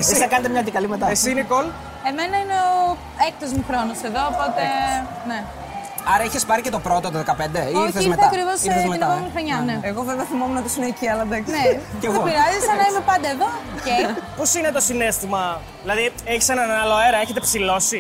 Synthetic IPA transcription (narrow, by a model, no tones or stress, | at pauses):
esisɐkɐnet̪emɲɐt̪ikɐlimet̪ɐesinikol | eme̞nɐineo | ek̚t̪ozmuxɾonose̞ðo̞opo̞t̪e | ne | ɐɾɐiçespɐɾicet̪o̞pɾo̞t̪ot̪oðekɐpe̞nd̪eiiθeimeθɐɐkɾivosiθezmeinɐpomifɐɲɐneeɣoveveɐθimomuneot̪isineiciɐlɐd̪ɐkneceɣopiɾɐzisɐnɐimepɐnd̪ɐeðoceposinet̪o̞sinest̪imɐ | ðilɐðieçisenɐnɐloeɾɐeçet̪epsilo̞si